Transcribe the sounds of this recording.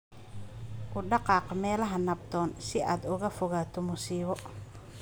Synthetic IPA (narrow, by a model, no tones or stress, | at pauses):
ʔʊɖɑqɑːqmɛːlɐɦɐnɐb̚d̪ɔːnsɪʔa̰ːd̪ʊɣɐfʊɣaːt̪ʰɔmʊsiːβɔ